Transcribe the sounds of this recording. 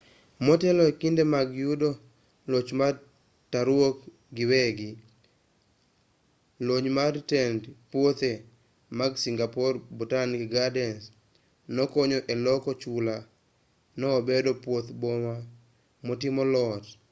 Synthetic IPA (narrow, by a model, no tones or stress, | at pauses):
mɔtɛlɔekindemaɡjudo | lot͡ʃma | taɾwok | ɡɪwɛɡɪ | loɲmaɾtɛndpwot̪e | maɡsiŋɡapɔrbutanɡiɡadɛns | nɔkoɲɔʔelɔkɔt͡ʃula | nɔːbedopwot̪boma | mɔtimɔlɔt